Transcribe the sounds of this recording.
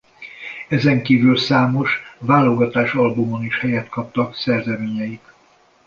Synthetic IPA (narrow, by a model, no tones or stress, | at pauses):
ɛzɛŋkiːvylsaːmo̞ʃvaːlo̞ɡɒt̪aːʃɒlbumo̞niʃhɛjɛt̪kɒp̚t̪ɒksɛrzɛmeːɲɛjit̪